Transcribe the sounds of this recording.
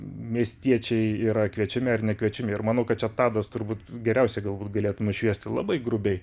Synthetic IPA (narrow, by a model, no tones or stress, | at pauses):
mʲiɛsʲt̪ʲiɛt͡ʃʲɛɪiːɾɐkʋʲiɛt͡ʃʲɪmʲɪɐrnʲɛkʋʲiɛt͡ʃʲɪmʲɪɪɾmɑːnɐʊkɐt̪̚t͡ʃʲɛt̪ɑːd̪ɐst̪ʊɾbuːt̪ɡʲɛɾʲɛʊsʲɛɪɡɐlˠbuːt̪̚ɡɐlʲeːt̪ʊnʊʃʲʋʲiɛsʲt̪ʲɪlˠɑ̰bɐɪɡɾʊbʲɛɪ